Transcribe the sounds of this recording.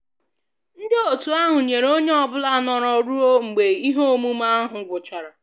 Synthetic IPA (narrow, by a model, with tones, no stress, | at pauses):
n̩˦dɪ˦o˨tu˨a˦ɦʊ˨ɲe˨ɾo˦ɲe˦ɔ˦bʊ˦la˦nɔ˨ɾɔ˨ɾu˦o˦ŋ͡m̩˨ɡ͡be˨i˦ɦo˦o˦mu˦ma˦a˦ɦʊ˨ɡʷʊ˨t͡ʃa˨ɾa˨